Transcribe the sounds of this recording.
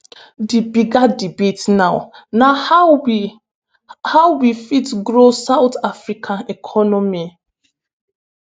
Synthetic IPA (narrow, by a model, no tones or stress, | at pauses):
dibiɡadibetnaʊnah | hawwifitɡɾosawtafɾikʰãnɛkʰɔnɔmi